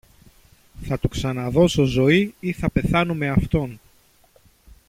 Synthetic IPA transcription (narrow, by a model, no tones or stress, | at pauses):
θɐt̪uksɐnɐðo̞so̞zo̞iiθɐpe̞θɐnume̞ɐft̪o̞n